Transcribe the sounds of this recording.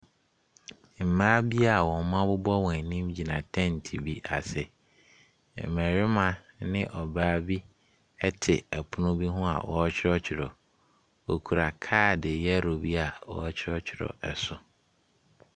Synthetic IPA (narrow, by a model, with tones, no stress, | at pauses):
m̩˨mãː˦bi˦a˨wɔ̃˨˦mã˦bʊ˦bɔ˦wɔ̃˨nĩ˦md͡ʑi˨nã˨tʰɛ̃˦n̩˨tʰi˨bi˦ʔa̰˨sɛ˨ | m̩˨mɛ̃˨ɾɪ˦mã˨nɪ̃˦ʔɔ˨baː˦bi˦ | ɛ˦tʰɪ˨ɛ˨pʰʊ˦nʊ̃˦bi˦ɦʊ̃˦a̰˨wʔɔ̰˦t͡ɕʰɪ˦ɾɔ˦t͡ɕʰɪ˨ɾɔ˨ | o˨kʰu˨ɾa˨kʰaː˦˨dɪ˨jɛ˦ɾo˨bi˦a˨wɔ̰˦t͡ɕʰɪ˦ɾɔ˦t͡ɕʰɪ˨ɾɔ̰˨ɛ˨sʊ˨